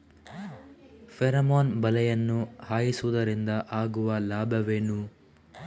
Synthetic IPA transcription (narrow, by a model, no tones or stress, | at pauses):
fʰeɾɐmoːnbɐlɛjɐnːuhaːjisuʋud̪ɐɾind̪ɐʔaːɡuʋɐlaːbʱɐʋeːnu